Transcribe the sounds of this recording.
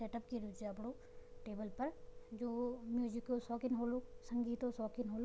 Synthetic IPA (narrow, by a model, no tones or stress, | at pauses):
seʈəpkiɾud͡ʒaɐpɽo | ʈeːbəlpɐɾd͡ʒoːmjud͡ʒikːosɔːkɪnɦolosə̃ŋɡiːt̪osɔːkinɦolo